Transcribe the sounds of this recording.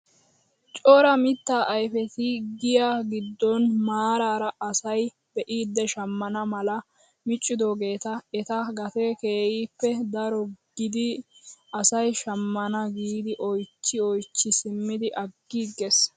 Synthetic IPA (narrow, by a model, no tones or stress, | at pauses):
t͡ʃʼoːɾɐmɪt̪ːaːʔɐjfɛt̪ɪɡɪjaɡɪd̪ːɔnmaːɾaːɾɐʔɐsɐj | b̥ɛʔiːd̪ːɛʃɐmːɐnɐmɐlɐ | mɪt͡ʃʼːɪd̪oːɡe̞ːt̪ɐɛt̪ɐɡɐt̪eke̞ːjiːpːɛd̪ɐɾɔɡ̥ɪd̪ɪɐsɐjʃɐmːɐnɐɡiːd̪ɪʔɔjt͡ʃːɪɔjt͡ʃːɪsɪmːɪd̪ɪʔɐɡːiɡes